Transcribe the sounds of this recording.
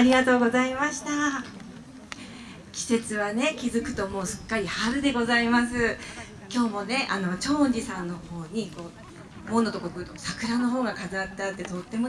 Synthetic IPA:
ɾʲiɡat̪o̞ːɡo̞zaimaɕi̥t̪a | kʲi̥se̞t͡sɨβane̞kʲizɨkɯ̟̥t̪o̞mo̞ːsɨ̥kːaɾʲihaɾɯ̟d̪e̞ɡo̞zaimasɨ | kʲo̞ːmo̞ne̞ʔa̰no̞t͡ɕo̞ːɲ̟d͡ʑisãnːo̞ho̞ːɲ̟iko̞ː | mo̞ːnot̪okokɯ̟t̪osakɯ̟ɾano̞ɦo̞ːɡakazɨat̪ːat̪ːe̞t̪o̞t̪ːe̞mo

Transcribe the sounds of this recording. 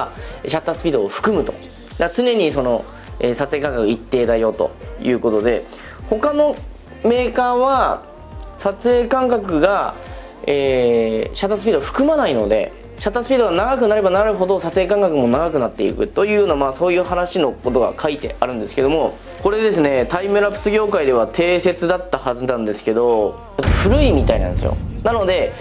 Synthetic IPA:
ɕat̪ːasɨ̥pʲiːd̪oːɸɯ̟̥kɯ̟mɯ̟t̪o̞̥̰ | d̪at͡sɨne̞ɲ̟iso̞no̞ | eːsat͡sɨekãŋkakɯɯit̪ːe̞ːd̪ajo̞ːt̪o̞̰jɯ̟ːko̞t̪o̞d̪e̞ | ho̞kano̞ | me̞ːkaːβa | sat͡sɨe̞ːkãŋkakɯ̟ɡa | eːɕat̪ːasɨ̥pʲiːd̪o̞ɸɯ̟̥kɯ̟manaino̞d̪e̞̰ | ɕat̪ːasɨ̥pʲiːd̪oɡanaɡak̬ɯ̟naɾe̞banaɾɯ̟ɦo̞d̪o̞sat͡sɨeːkãŋkakɯ̟mo̞naɡakɯ̟nat̪ːe̞ḭkɯ̟̰t̪o̞jɯ̟ːjo̞ːnamaːso̞ːjɯ̟ːhanaɕino̞ko̞t̪o̞ɡa̰kʰait̪e̞̰ʔaɾɯ̟̃nd̪e̞sɨ̥ke̞d̪o̞mo̞ | ko̞ɾe̞d̪e̞sɨne̞t̪aimɯ̟ɾapɯ̟̥sɨɡʲo̞ːkaid̪e̞β̞at̪ʰe̞ːse̞t͡sɨd̪at̪ːahazɨnãnd̪esɨ̥ke̞d̪o̞ | ot̪ːoɸɯ̟ɾɯ̟imʲit̪ainã̰nd̪e̞sɨ̰jo̰nano̞d̪e̞

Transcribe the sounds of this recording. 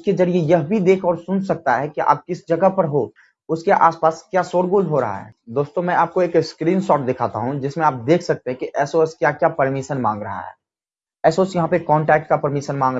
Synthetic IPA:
ʊskezɐɾijejɐɦbʱid̪eːkʰɔːɾsʊnsɐk̚t̪aɦɛkiʔa̰ːb̚kɪsd͡ʒɐɡəɦpɐɾɦo | ʊskeʔaːspaːskjaːsoːɽɡuːlɦoɾɐɦa̰ɦɛ̰ːd̪oːst̪õmɛ̃aːp̚koeːkskɾiːnsɔːʈ̚d̪ɪkʰaːt̪a̰ɦũd͡ʒɪsmẽaːp̚d̪eːkʰsɐk̚t̪eɦɛ̃kiʔɛːsoskjaːkjaːpɐɾmɪʃənmã̰ːŋɡɾɐɦa̰ɦɛ̰ː | ɛːsoːsjɐɦãpekɔ̃ːɳʈɛːk̚ʈ̚kapɐɾmɪʃənmãːŋɡɾ

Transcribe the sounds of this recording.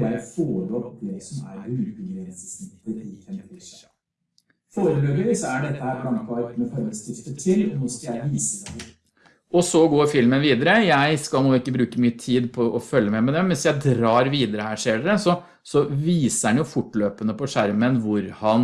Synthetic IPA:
b̪æɾəfoːɭɔpd̪ɛsɔmæ̰ɾʉːbəɡɾɛnsəsnɪt̪ːəɾɪɛnʰɪs | foːɾəbøːɡəɾɪsɔæɖɛt̪ʰːəhæːɾblɑnk̪ʰɑːlt̪mɛfɔɾəst̪ɪft̪ət̪ʰɪlɔnɔːskɑljæɪʋiːsəs | ɔsɔɡoːɾfɪlmənʋiːd̪əɾəjæɪskɑlˠnuːɪkːəbɾʉːkəmyːət̪ʰiːd̪pʰɔʔɔfœlːəmɛmɛd̪ɛmːɛnsjæɪd̪ɾɑːɾʋiːd̪əɾəhæːʂeːɖɛsɔ | sɔʋiːsəɾɑnjʊfʊʈːløːpənəpɔʂæɾmənʋʊɾhɑn

